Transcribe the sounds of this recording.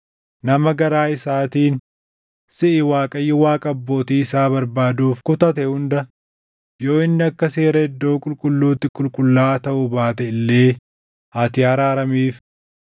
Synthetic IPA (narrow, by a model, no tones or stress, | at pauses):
nɐmɐɡɐɾaːɪsaːt̪iːn | sɪʔɪwaːkʼɐjːɪwaːkʼɐːbːo̞ːt̪iːɪsaːβɐɾbaːd̪uːfkʊt̪ɐt̪ɛhʊnd̪ɐ | jo̞ːɪnːɪɐkːɐse̞ːɾɐɛd̪ːo̞ːkʼʊlkʼʊlːuːt̪ːɪkʼʊlkʼʊlːaːt̪ɐʔʊbaːt̪ɛɪlːe̞ː | at̪ɪɐɾaːɾɐmiːf